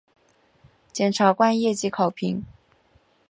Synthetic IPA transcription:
t͡ɕjɛ˨˩nʈ͡ʂʰa˧˥kwa˥˧njɛ˥˧t͡ɕi˧˥kʰɑ˨˩ʊpʰi˧˥ŋ

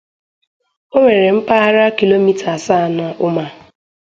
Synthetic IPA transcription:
o˦ŋʷe˨ɾe˨m̩˦pa˦a˦ɾa˦ki˨lo˦mi˦tʰa˨sa˦˨na˨ʔʊ˦ma˨

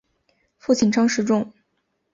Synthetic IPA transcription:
fu˥˩t͡ɕʰi˨˩nʈ͡ʂʰɑ˥ŋʂɻ̩˧˥ʈ͡ʂʊ˥˩ŋ

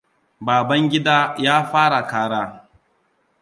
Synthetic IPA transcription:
baː˨bɐ˦ŋɡʲɪ˦daː˦jaː˦ɸaː˦ɽa˨kaː˦ɽaː˦

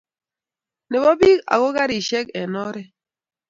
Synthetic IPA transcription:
ne˨bɔ˦bi˦ka̰˨ɣo˦ɡa˦ɾi˨ʃɛ˦kɛ˨nɔ˦ɾɛ˦

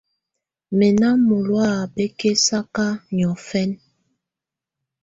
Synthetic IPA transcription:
mɛ˨na˦mo˨lwa˦˨be˦ke˦sa˦ka˦ɲ˨ɔ˨fɛ˦n

